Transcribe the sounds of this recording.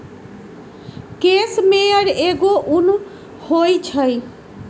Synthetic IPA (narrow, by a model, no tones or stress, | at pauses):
kesmeʌɾeɡoʔun | hojt͡ʃʰʌj